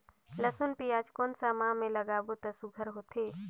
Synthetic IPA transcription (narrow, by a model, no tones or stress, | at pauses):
ləsunpiaːd͡ʒkoːnsamãmẽləɡaːbot̪əsuɡʱəɾɦoːt̪eː